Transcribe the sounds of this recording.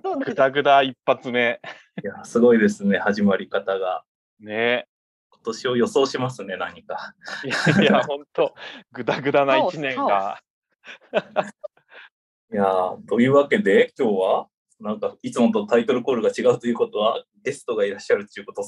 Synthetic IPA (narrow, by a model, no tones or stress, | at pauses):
ɡɯ̟t̪aɡɯ̟d̪aipːat͡sɨne | jasɨɡo̞id̪e̞sɨne̞haʑimaɾʲikat̪aɡa | ne | ko̞̥t̪o̞ɕiojo̞so̞ːɕimasɨne̞naɲ̟ika | jahõnt̪oɡɯ̟t̪aɡɯ̟d̪anait͡ɕinẽ̞ŋɡa | jat̪o̞jɯ̟ːβake̞d̪e̞kʲo̞ːβa | nãŋkait͡sɨmo̞t̪ot̪ait̪o̞ɾɯ̟ko̞ːɾɯɡat͡ɕiɡaɯ̟t̪o̞jɯ̟ːko̞t̪o̞βaɡe̞sɨ̥t̪o̞ɡaiɾaɕːaɾɯ̟t̪ojɯ̟ko̞t̪o